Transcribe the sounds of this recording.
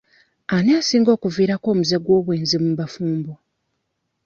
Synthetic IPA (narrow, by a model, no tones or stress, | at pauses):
aneasiːŋɡo̞ːkuviːɾako̞ːmuzeɡwo̞ːβweːnzimumbafuːmbo